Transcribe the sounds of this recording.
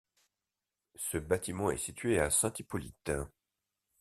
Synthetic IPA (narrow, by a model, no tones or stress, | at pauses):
səbat̪imɑ̃ɛ̰sit̪ɥeasɛ̃t̪ipɔlḭt̪